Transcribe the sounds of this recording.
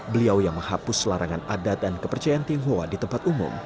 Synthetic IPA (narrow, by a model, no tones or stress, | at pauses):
bəliawjaŋməŋhapʊslaɾʔaŋanadat̪̚dankəpərt͡ʃajaant̪iŋɦoa̰dit̪əmpat̪umʊ̰m